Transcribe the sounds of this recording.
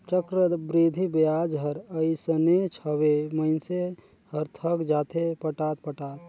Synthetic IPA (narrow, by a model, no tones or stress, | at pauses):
t͡ʃəkɾəbɾid̪ʱibjad͡ʒɦəɾəisənet͡ʃʰəʋeməɪnse | həɾt̪ʰəkd͡ʒaːt̪ʰepəʈat̪̚pəʈaːt̪̚